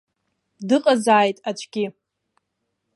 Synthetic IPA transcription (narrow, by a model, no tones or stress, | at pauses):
dɨqʼazaːjtʼat͡ʃʷʰʼɡʲi